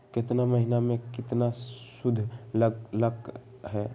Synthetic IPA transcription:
kɪt̪naməɦinamẽkɪt̪nasud̪ʱlələɡ | ɦɛ

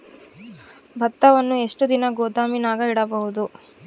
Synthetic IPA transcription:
bʱɐt̪ːɐʋɐnːue̞ʂʈud̪inɐɡoːd̪aːminaːɡɐiɽɐbɐɦud̪u

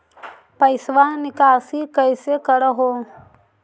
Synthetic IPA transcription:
pɐɪsʋaːnnɪkaːsikəɪsekəɽəɦoː

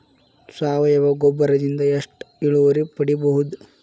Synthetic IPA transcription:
saːʋɐjɐʋɐɡɔbːɐɾɐd̪ind̪ɐeʂʈiɭuʋɐɾipɐɽibɐɦud̪u

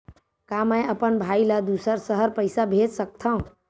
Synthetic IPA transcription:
kamɛ̃ɐpənbʱaːilad̪uːsəɾsəɦəɾpəɪsabʱeːd͡ʒsək̚t̪ʰaɦũː

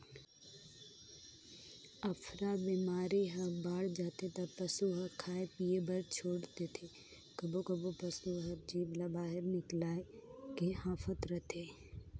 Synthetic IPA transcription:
ɐfʰɾabiːmaːɾiɦɐbaːɽd͡ʒaːt̪et̪ɐbpɐsuɦəkʰaːepijebɐɾt͡ʃʰoːɽt̪et̪ʰe | kɐbokɐbopɐsuɦɐɾd͡ʒiːblabaːɦɪɾnɪklaːekehaːfət̪ɾɐt̪ʰeː

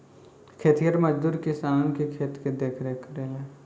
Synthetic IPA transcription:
kʰeːt̪ijəɾmɐd͡ʒd̪uːɾkɪsaːnõkikʰeːt̪ked̪eːkʰɾekɾeɦɛː

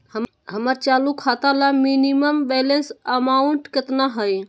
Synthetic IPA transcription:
hə | ɦəməɾt͡ʃalukʰat̪alaminiməmbɛlensəmauɳʈket̪naɦəj

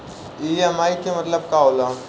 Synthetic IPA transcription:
iɐmaːikemɐt̪ləb̚kaola

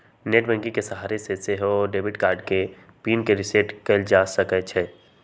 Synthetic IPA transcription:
neːʈbɛ̃ŋɡikesɐɦaːɾeseseɦoɖeːbɪʈkaːɾɖke | piːnkeɾɪseːʈkɐld͡ʒaːsɐket͡ʃʰe

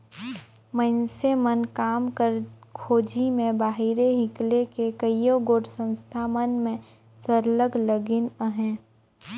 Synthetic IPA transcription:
məɪnsemənkaːmkəɾkʰoːd͡ʒimẽbaːɦɪɾeɦɪklekekəijoɡoːʈsə̃nst̪ʰamənmẽ | səɾləɡʱləɡɪnəɦɛ̃ː

